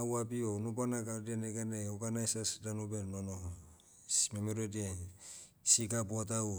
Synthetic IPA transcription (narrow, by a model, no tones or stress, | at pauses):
awabionupanakadieneɡaneoɡanajsasdanubenono | smemeɾodien | siɡabuatau